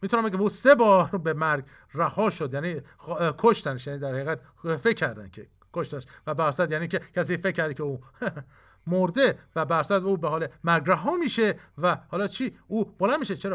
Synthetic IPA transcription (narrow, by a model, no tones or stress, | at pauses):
mit̪ʰunæmbeɟʲæmuːsebɒːɾbemæɾɡ | ræhɒːʃod̪jæniː | kʰoʃt̪æneʃjæːniːd̪æɾhæiɣæt̪ | fekʰːæɾd̪æncʰe | kʰoʃt̪æneʃvæbæsæd̪jæːniːcʰekʰæs̬iːfecʰːæɾd̪icʰeuː | moɾd̪e̞væbæsæd̪uːbeɦɒːlemæɾɡræɦɒːmiːʃevæhɒːlɒːt͡ʃʰiːuːb̥olænmiːʃet͡ʃʰeɾɒː